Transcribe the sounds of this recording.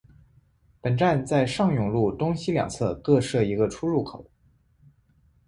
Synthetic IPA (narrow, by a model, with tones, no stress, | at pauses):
pə˨˩nʈ͡ʂa˥˧nt͡sa˥˧ɪʂɑ˥˩ŋjʊ˨˩ŋlu˥˩t̪ʊ˥ŋɕi˥ljɑ̰˨˩ŋt͡sʰɤ˥˧kɤ˥˧ʂɤ˥˩i˧˥ɡə˧ʈ͡ʂʰu˥ɻu˥˩kʰo˨˩˦ʊ